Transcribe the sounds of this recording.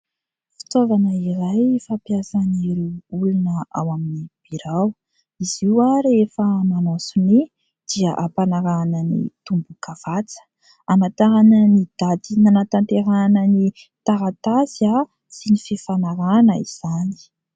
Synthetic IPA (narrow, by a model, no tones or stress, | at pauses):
fi̥t̪ovanəiɾajfapjasaniɾuulunəa̰waminib̥iɾaw | iziwaɾefəmanɔsuni | d̪̥iaʔapanaɾanənḭt̪umbukav̥at͡sə̥ | amat̪aɾanənid̪ad̪inanat̪ant̪eɾanəni | t̪aɾat̪azia | sinififanaɾanəiz̥ani̥